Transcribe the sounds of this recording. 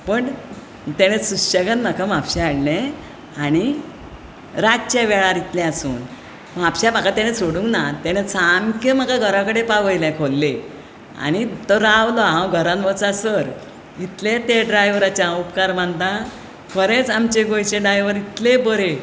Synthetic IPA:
pəɳ | t̪ɛñesuɕəɡanməkamapɕɛaɽlẽ | añi | ɾat͡ɕaʋɛɭaɾit̪lɛ̃əsuːn | mapɕabakat̪añesoɽũŋknat̪eñet͡samkem̤əkaɡʱəɾãkəɽepaʋəjlɛ̃kʰolːe | a̰ɽ̃it̪əɾaʋlɔɦãwɡʱəɾãnʋət͡sasəɾ | it̪let̪eɖɾajʋɾat͡ɕaupkaɾm̤ənt̪ã | kʰəɾet͡samt͡ɕeɡojt͡ɕeɖɾajʋəɾit̪lebəɾe

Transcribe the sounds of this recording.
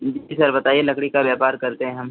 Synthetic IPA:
d͡ʒiisɐɾbɐt̪aːielɐkɽikabjaːpaːɾkɐɾt̪eɦɛ̃ɦɐm

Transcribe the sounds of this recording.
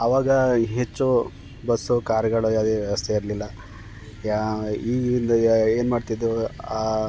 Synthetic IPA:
ɐʋaːɡɐɦet͡ʃːu | bɐsːukaːɾjɐɡɐɭujaːd̪eːʋjɐʋɐst̪ʰeiɾlilːɐ | iːɡɾind̪ɐe̞ːnmaːɖt̪id̪ɾuaː

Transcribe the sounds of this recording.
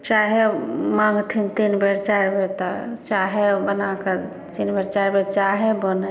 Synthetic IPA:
t͡ʃaɦemaŋɡt̪ʰint̪inbeɾt͡ʃaɾbʱeɾt̪at͡ʃaɦebənakə | t̪inbeɾt͡ʃaɾbʱeɾt͡ʃaɦebon

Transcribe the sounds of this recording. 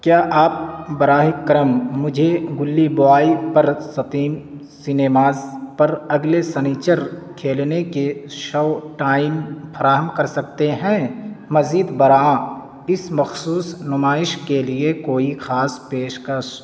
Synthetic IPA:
kjaːʔaːp̚bɐɾaːɦɪkːɐɾəmːʊd͡ʒʱeɡʊlːiboaːipɐɾsɐt̪iːm | sɪneːmaːzpɐɾɐɡlesɐniːt͡ʃəɾkʰeːlnekeʃoːʈaːɪmfʰɐɾaːɦəmkɐɾsɐk̚t̪eɦɛ̃mɐziːd̪bɐɾãː | ɪsmɐxsuːsnʊmaːɪʃkeliekoːixʰaːspeːʃkɐɾʃ

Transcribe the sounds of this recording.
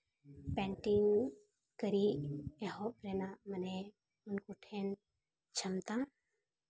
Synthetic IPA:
pɛ̃ɳʈiŋ | kəɾieɦopɾenaməne | ʊnkuʈʰen | t͡ʃʰəmt̪ã

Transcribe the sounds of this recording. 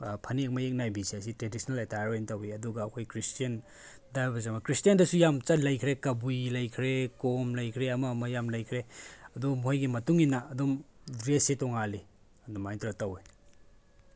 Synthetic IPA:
pʰɐnek̚mɐek̚najbisias̬itɾedisnɐletajɾmentɐwiɐduɡɐːkʰojkɾistijɐn | dabɐzɐmɐkɾistijɐndɐsujamt͡ʃɐlɐjkʰɾekɐbujlɐjkʰɾekomlɐjkʰɾeɐmɐːmɐjamlɐjkʰɾeɐdomuɦajɡimɐtuŋinɐːdomdɾesitɔŋali | ɐdomːajntɾɐtɐwij

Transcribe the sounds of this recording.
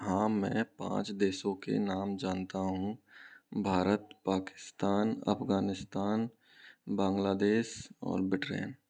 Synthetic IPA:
ɦãːmɛ̰̃ːpã̰ːt͡ʃd̪eːsõkḛnaːmd͡ʒaːnt̪aɦũ | bʱaːɾət̪paːkɪ̥st̪aːnɐ̰pɡaːnɪst̪aːn | bãːŋɡlaːd̪eːʃɔ̰ːɾbɪʈɾḛːn

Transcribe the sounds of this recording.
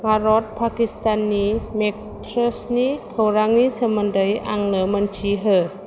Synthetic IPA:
paɾɔt̪̚pʰakist̪anːimek̚ | t̪ʰɾosniːkʰəwɾaŋniːsamandəjʔa̰ŋnɯːmant͡ɕʰiːɦə

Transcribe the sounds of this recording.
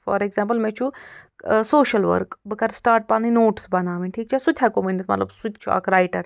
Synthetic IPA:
fɔ̰ːɾeɡzãːmpəlmɛ̃t͡ʃʰu | soːʃɐlʋə̰ɾkbɨkɐɾsʈaːɾʈ̚paninoːʈsbɐnaːʋinʈʰiːk̚t͡ʃʰasut̪ʲʰjakominit̪mɐt̪lɐ̰bsut̪ʰt͡ʃʰua̰kɾajʈɐɾ

